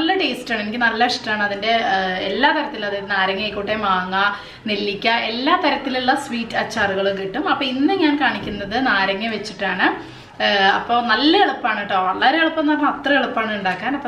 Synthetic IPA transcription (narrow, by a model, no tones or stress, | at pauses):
ɐlːɐʈeːstaːɳe̞nikʲːɨnɐlːɐʂʈːaːɳɨɐðinde̞elːaːt̪ɐɾɐt̪ːilɐðɨnaːɾɐŋːɐkːuʈːemaːŋːɐ | nilːikʲːɐʔe̞lːaːt̪ɐɾɐt̪ːiluɭːɐswiːtːɐːt͡ɕːaːruɣɐɭukiʈːumɐpːoːinːɨɲaːnkaːɳikʲːunːɐðɨnaːɾɐŋːɐʋet͡ɕːiʈːaːɳɨ | ɐpːo̞ːnɐlːɐeɭupːaːɳiʈːoːʋɐɭːɐɾeeɭupːɐnɐːrɐmɐt̪rɐeɭupːaːɳɨuɳɖaːkːaːnɐpːo